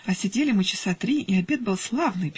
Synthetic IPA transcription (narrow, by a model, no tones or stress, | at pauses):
ɐsʲɪdʲelʲɪmɨt͡ɕɪ̥sat̪ɾʲiiɐbʲe̞t̪̚bɨlˠslˠavnɨjpʲ